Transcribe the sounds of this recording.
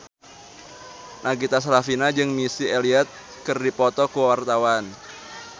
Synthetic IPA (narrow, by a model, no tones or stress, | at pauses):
nʔaɡit̪as̬ɾafinad͡ʒɨŋmisieliɛt̪̚ | kɨrdipɔt̪ɔkuwart̪awan